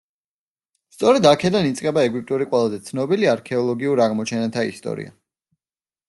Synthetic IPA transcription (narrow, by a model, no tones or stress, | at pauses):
st̪sʼɔɾɛd̪akʰɛd̪anit̪sʼqʼɛbaɛɡwip̚ʼt̪ʼuɾiqʼwɛlˠazɛt̪sʰnɔbiliaɾkʰɛɔlˠɔɡiuɾaʁmɔt͡ʃʰɛnat̪ʰaḭst̪ʼɔ̰ɾḭa̰